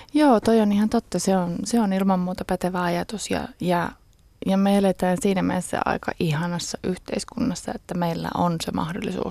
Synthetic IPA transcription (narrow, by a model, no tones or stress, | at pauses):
joːt̪oijonihɑnt̪ot̪ːɑseonseonilmɑmːuːt̪ɑpæt̪eʋæɑjɑt̪usjɑ̰jɑ | jɑmelet̪æːnsiːnæmḛesːæ̰ɑ̰ikɑ̰ʔihɑnɑsːɑʔyht̪eiskunːɑsːɑet̪ːæmeilːæ̰ʔonsemʔɑ̰hdolːˑisṵː